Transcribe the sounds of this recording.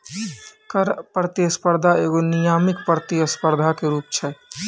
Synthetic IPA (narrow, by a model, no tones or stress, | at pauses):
kəɾpɾət̪iəspəɾd̪ʱaeːɡonijamikpɾət̪iəspəɾd̪ʱakeɾuːp̚t͡ʃʰɛ